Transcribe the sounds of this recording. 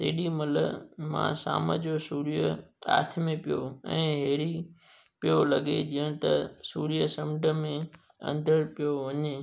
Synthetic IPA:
t̪ḛːɗimɐləmã̰sa̰ːmə̰d͡ʑosuːɾijəa̰ːt̪ʰmẽpijoɛ̃ːɦeːɽi | pijolɐɡed͡ʑiːəɽ̃ɪ̆t̪ɐsuːɾijəsɐmɖəmẽ | ɐ̰̃nd̪ʱəɾpijoʋɐɲe

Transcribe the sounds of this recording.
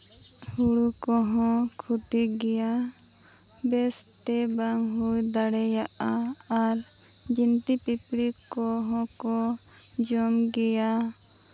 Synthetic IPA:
huɽukɔɦɔ̃kʰut̪iɡɛja | bɛs | t̪ɛbaŋɦujd̪aɽɛjaʔaːɾ | d͡ʒint̪ipipɽikɔɦɔ̃kɔ | d͡ʒɔmɡɛja

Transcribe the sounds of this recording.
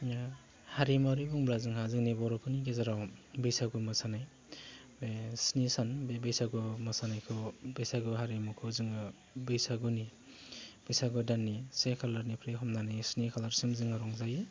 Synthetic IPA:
haɾimaɾibɔŋbɾazɯŋhazɯŋnibɔɾɔkʰuniɡezaɾawbejsaɡumasanaj | snisanbbejsaɡumasanajkʰɯbejsaɡuɦaɾimukʰɯzɯŋɯ | bejsaɡuni | b̥ejsaɡɔdanːisekʰalaɾnipʰɾeɦɔmnanisnikʰalaɾsimzɯŋaɾɔŋzaj

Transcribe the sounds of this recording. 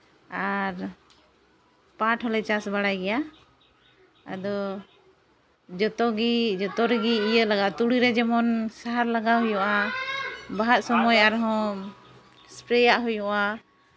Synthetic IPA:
aɾ | pãʈʰɦɔlɛt͡ʃasbaɽajɡɛja | a̰d̪ɔ | d͡ʒɔt̪ɔɡid͡ʒɔt̪ɔɾɛɡiːjəlaɡaʔt̪uɽiɾɛd͡ʒɛmɔnsaɦaɾlaɡaɦujɔʔa | baɦat̪̚sɔmɔjaɾɦɔ̃ | spɾɛjaʔɦujɔ̃ʔa

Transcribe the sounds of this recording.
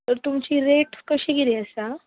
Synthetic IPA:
t̪əɾt̪umt͡ɕiɾeʈkəɕiɡiliəsa

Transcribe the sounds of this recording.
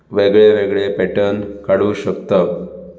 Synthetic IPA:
ʋeɡɭeʋeɡɭepɛʈənkaɽuːɕəkt̪ə

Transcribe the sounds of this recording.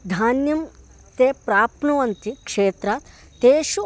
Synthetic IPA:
d̪ʱaːnjɐm | t̪eːpɾaːpɳɐʋɐnt̪ikʂeːt̪ɾaːt̪ | t̪eːʃu

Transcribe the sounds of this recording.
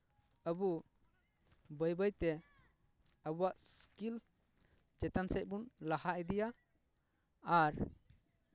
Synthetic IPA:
əbu | bəjbəjt̪ɛ | əbuwaʔskil | d͡ʒɛt̪ansɛc̚ˀbunlahaʔɛd̪ɛja | ɾ

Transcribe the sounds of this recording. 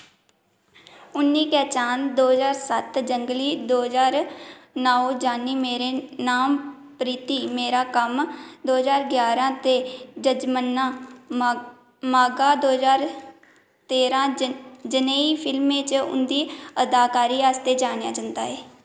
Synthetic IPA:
ʊnːiːkɛːt͡ʃaːnd̪oːɦzaːɾsət̪d͡ʒəŋɡliːd̪oːɦzaːɾnaːoːd͡ʒaːnːiːmeːɾeːnaːm | pɾiːt̪iːmeːɾaːkəmd̪oːɦzaːɾɡjaːɾãːt̪eːd͡ʒəd͡ʒmənːãː | maːɡaːd̪oːɦzaːɾ | t̪eːɾãːd͡ʒəneːiːpʰɪlmẽːt͡ʃʊ̰nd̪iːəd̪aːkaːɾiːaːst̪eːd͡ʒaːɽ̃ja̰ːd͡ʒənd̪a̰ːɦɛː

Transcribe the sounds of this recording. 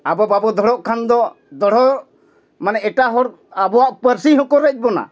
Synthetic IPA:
abɔbabɔd̪ʱɔɽɔʔkʰand̪ɔ | d̪ɔɽ̤ɔ | manɛɛʈaɦɔɾ | abɔwaʔpəɾsiɦɔ̃kɔɾɛc̚ˀbɔna̰

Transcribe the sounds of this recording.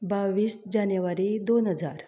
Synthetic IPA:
baʋiːsd͡ʑanjəʋaɾid̪onɦəd͡za̰ɾ

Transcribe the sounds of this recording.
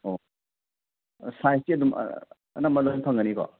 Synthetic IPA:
o | sajstiɐdum̰ | ɐ̰namɐlojnpʰaŋɡɐnikɔ̰

